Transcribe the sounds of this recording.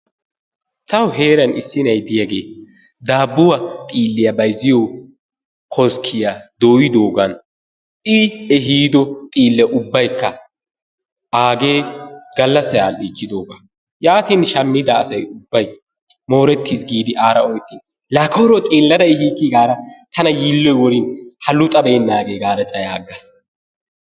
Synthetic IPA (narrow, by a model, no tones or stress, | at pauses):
t̪ɐwɦe̞ːɾɐnɪsːɪnɐjd̪ɪjɐɡeː | d̪aːbːʊwɐt̪ʼiːlːɪjɐbɐjzɪjɔw | kʰɔskʰɪjad̪oːjɪd̪o̞ːɡɐn | ʔɪɛɦiːd̪ɔt̪ʼiːlːɛʔʊbːɐjkːɐ | ʔaːɡe̞ːɡ̥ɐlːɐsːɐjaːliːt͡ʃːɪd̪oːɡɐ | jaːt̪inʃɐmːɪd̪ɐːsɐjʊbːɐj | mo̞ːɾɛt̪ːisɡiːd̪ɪʔaːɾɐɔjt̪ːin | lɐkʰoːɾɔt̪ʼeːlːɐd̪ɐjhiːkːɪɡaːɾɐt̪ʰɐnɐjiːlːɔjwɔɾɪnhɐlʊt̪ʼɐbɛːnːaːɡeːɡaːɾɐt͡ʃʼɐjaːɡːɐs